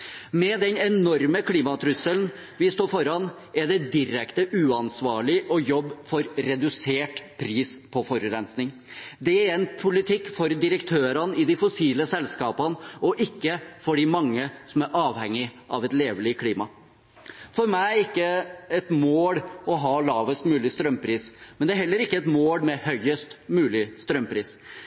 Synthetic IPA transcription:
mɛd̪ɛnɛnɔɾməkʰliːmɑt̪ʰɾʉsəln | ʋɪst̪oːfɔɾɑn | ɛɖɛd̪ɪɾɛkt̪əʔʉːɑnsʋɑːɭɪʔɔjɔbːfɔɾɾɛd̪ʉseːʈpʰɾiːspʰɔfɔɾʉɾɛnsnɪŋ | d̪ɛæɾɛnpʰʊlɪt̪ʰɪkːfɔɾd̪ɪɾəkt̪ʰøːɾɑnɪd̪ɪfɔsiːləsɛlskɑːpənɔʔɪkːəfɔɖɪmɑŋːəsɔmæɾʔɑːʋhɛŋːɪʔɑ̰ʋɛt̪leːʋəlɪkʰliːmɑ | fɔɾmæɪɪkːəɛt̪moːɽɔɦɑːlɑːʋəst̪mʉːlɪst̪ɾœmpʰɾiːsmɛnd̪ɛæɾɦɛlːəɾɪkːəɛt̪moːɽmɛhœʏəst̪mʉːlɪst̪ɾœmpʰɾiːs

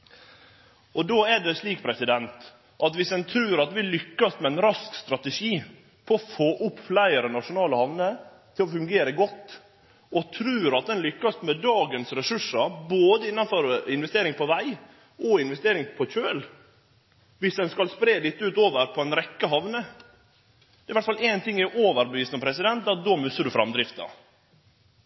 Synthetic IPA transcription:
ʔɔd̪oːæɖɛsliːkpʰɾɛsɪd̪ɛnt̪ | ʔɑt̪ʋɪsd̪ɛnt̪ʰɾʉːɾɑt̪ʋɪllːʏkːɑsmɛɛnɾɑskst̪ɾɑt̪əʂiː | pʰɔfoːʔʊpːflæɪəɾɛnɑʂʊnɑːləhɑʋnə | t̪ʰɪlɔfʉŋɡeːɾəɡɔt̪ː | ɔt̪ʰɾʉːɾɑt̪̚d̪ɛnlʏkːɑsmɛd̪ɑːɡənsɾɛsʉʂəboːd̪əɪnːɑnfɔɾɪnʋɛst̪eːɾɪŋpʰɔʋæɪ | ʔɔɪnʋɛst̪eːɾɪŋpʰɔçøːl | ʋɪsd̪ɛnskɑlspɾeːlɪt̪ːʉːt̪oːʋəɾpʰɔɛnɾɛkːəɦɑʋnə | d̪ɛɾɪʋæʈt̪fɑleːnt̪ʰɪŋːæʔoːʋəɾbəʋiːsnəpʰɾɛsɪd̪ɛnt̪̚ɑd̪oːmʉsːəɖʉfɾɑ̰md̪ɾɪft̪ɑ̰

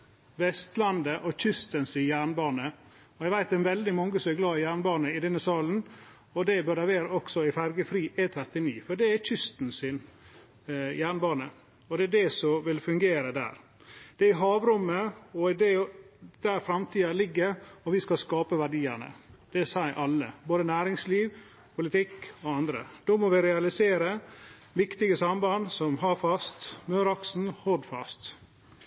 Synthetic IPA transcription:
ʋɛst̪lɑnd̪əʔɔçʏst̪ənsɪnjæːɳbɑːnə | ɔɛɪʋæɪt̪d̪ɛnʋɛld̪ɪmɑŋːəsɔmɛɡlɑːəjæːɳbɑːnəɪd̪ɛnːəsɑːln̩ | ɔd̪ɛbœɾæʋeːɾɔksɔɪfæɾɡəfɾiːʔɛt̪ʰɾɛt̪ɪniːfɔɖɛæɾçʏst̪n̩sɪn | jæːɳbɑːnə | ɔd̪ɛæɖɛsɔʋɪlfʉŋɡeːɾəd̪æ̰ːɾ | d̪̥ɛæɾɪɦɑːʋɾʊmːəɔɪd̪ɛd̪̥æɾfɾɑmt̪ʰiːɑlɪɡːəɾɔʋɪskɑskɑːpəʋæɖiːəɳə̰d̪̥ɛsæɪʔɑlːə̰boːd̪ənæːɾɪŋsliːʋ | pʰʊlɪt̪ʰɪkːɔɑnd̪ɾə̰d̪̥oːmɔʋɪɾɛɑlɪseːɾə | ʋɪkt̪ɪɡəsɑmbɑnsɔmɦɑːfɑst̪mœːɾɑksn̩hɔd̪fɑ̰st̪

